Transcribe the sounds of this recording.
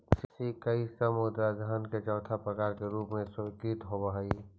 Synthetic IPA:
ssikəisəmʊd̪ɾad͡ʒʱaːnket͡ʃɔːt̪ʰapɾɐkaːɾkeɾuːpmẽsʊkiːt̪ɦobaɦai

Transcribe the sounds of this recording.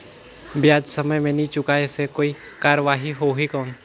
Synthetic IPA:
bjaːd͡ʒsɐməjmẽnɐĩt͡ʃʊkaɛsekoːi | kaːɾəʋaːɦiɦoɦikɔːn

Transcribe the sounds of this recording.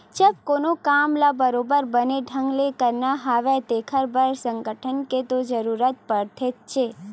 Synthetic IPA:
t͡ʃəb̚konokamlabəɾobəɾbəneɖʱəŋɡlekəɾnaɦaʋet̪ekʰəɾbəɾsəŋɡəʈʰənket̪od͡ʒəɾuɾət̪̚pəɽt̪ʰet̪̚t͡ʃʰe

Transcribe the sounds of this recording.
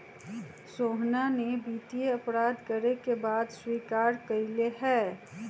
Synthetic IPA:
soːɦnanebiːt̪ijeɐpɾaːd̪kɐɾekebaːd̪swiːkaːɾkɐileɦɛː

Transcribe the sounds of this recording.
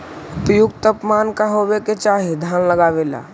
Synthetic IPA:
ʊpjʊɡt̪əpmaːnkaɦoːweket͡ʃaːɦid̪ʱaːnləɡaːʋela̰ː

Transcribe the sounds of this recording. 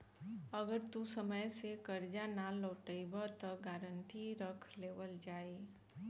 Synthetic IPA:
əɡəɾt̪usəməjsekəɾd͡ʒanaloːʈəɪbat̪ɔɡaːɾənʈiɾəkʰleːʋəld͡ʒaːe

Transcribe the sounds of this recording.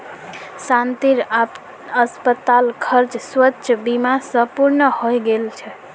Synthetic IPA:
sant̪iɾa | əspət̪alkʰəɾd͡ʒswətːʃʰəbimasə̃puɾnəhojɡelt͡ʃʰɛ

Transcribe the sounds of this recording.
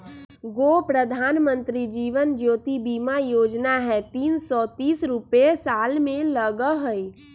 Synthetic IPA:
ɡoːpɾəd̪ʱaːnmə̃nt̪ɾid͡ʒiːʋənd͡ʒoːt̪ibiːmajoːd͡ʒnaɦɛt̪iːnsɔt̪iːsɾʊpesaːlmẽləɡəɦəi

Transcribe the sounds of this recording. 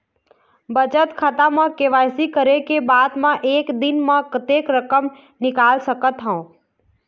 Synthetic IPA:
bət͡ʃət̪kʰat̪amãkeʋaːjsikəɾekebaːd̪mãʔeːkd̪ɪnmãkət̪ekɾəkəm | nɪkaːlsəkət̪ɦə̃õ

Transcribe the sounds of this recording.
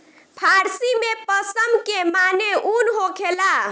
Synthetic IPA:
pʰaɾsimepəsəmkemaneʔunɦokʰela

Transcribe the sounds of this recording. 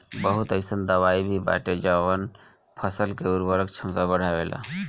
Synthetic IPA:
bəɦut̪əɪsənd̪əʋaibʱiba̰ʈed͡ʒawən | pʰəsəlkeuɾbəɾəkt͡ʃʰəmkabəɽ̤aʋelʔa̰

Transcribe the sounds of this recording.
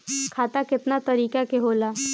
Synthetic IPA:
kʰaːt̪akɪt̪nat̪əɾiːkakeɦoːla

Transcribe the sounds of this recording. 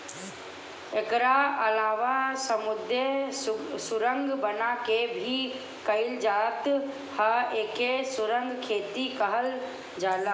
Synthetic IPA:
eːkɾaɐlaːʋasɐmʊd̪ʱe | sʊɾə̃ŋɡbɐnakebʱi | kɐɪld͡ʒaːt̪ | haeːkesʊɾə̃ŋɡkʰeːt̪ikɐɦəl | d͡ʒaːlaː

